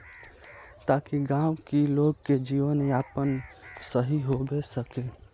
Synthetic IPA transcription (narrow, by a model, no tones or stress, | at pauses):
t̪akiɡaʊkiloɡked͡ʒiʋənjapənsəɦiɦobesəke